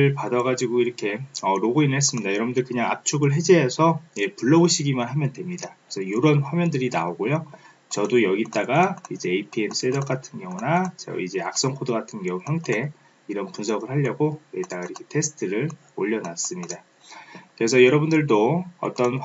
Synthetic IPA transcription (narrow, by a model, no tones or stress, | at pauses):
ɯɭpadʌɡad͡ʑiɡoiɾʌkʰe̞ʌɾoɡoinɦe̞s̬͈ɯmɲidajʌɾʌbundɯɭkɯɲaŋap̚t͡ɕʰuɡɯɭɦe̞d͡ʑeɦasʰʌjepuɭːʌbuɕʰiɡimanɦamjʌndwe̞mɲidakɯesʰʌjoɾʌnɸwamjʌndɯɾina̰oɡojo | t͡ɕʌdojʌɡit͈aɡaid͡ʑe̞ːipʰiems͈edʌk͈atʰɯnɡjʌŋunat͡ɕʌ̰id͡ʑe̞ak̚s͈ʌŋkʰodɯɡatʰɯnɡʌŋuçjʌŋtʰe̞ | iɾʌnpunsʰʌɡɯɭhaʎːʌɡojʌɡit͈aɡaiɾʌkʰe̞̥tʰe̞sʰɯ̥tʰɯɾɯɭ | o̰ʎːʌnas͈ɯmɲida | kɯɾe̞sʰʌjʌɾʌbundɯɭdoʌ̰t͈ʌn